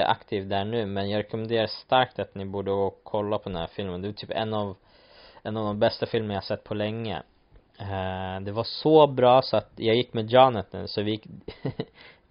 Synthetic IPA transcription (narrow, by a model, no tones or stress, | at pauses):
ʔa̰kt̪ʰiːvd̪æːɳʉ̟ːmɛnjɑːɡɾɛkʊmɛnd̪eːɾast̪aɾkt̪at̪nɪbuːɖəɡoːkʰɔlːapʰɔd̪ɛnhæ̰ɾfɪlmənd̪ɛvɑt̪yːpɛ̰nːɑv | ɛnːɑːvd̪ɔmbɛst̪afɪlmənjahasɛt̪ːpʰɔlɛŋːə̰ | d̪ɛvaʂɔbɾɑːsɔat̪jɑːɡjɪkːmɛd͡ʒɑːnət̪nʉ̰ːsɔvɪjɪkː